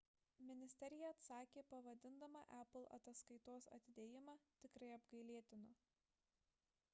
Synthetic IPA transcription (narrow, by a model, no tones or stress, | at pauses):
mʲɪnʲɪsʲt̪ʲɛɾʲɪjɛɐt̪sɑːkʲeːpɐʋɐd̪ʲɪnd̪ɐmɑ̰ːʔæplˠɐ̰t̪ɐskɐɪt̪oːsɐ̰t̪ʲɪd̪ʲeːjɪmɑːt̪ʲɪkɾɐɪɐbɡɐɪlʲiɛt̪ʲɪnʊ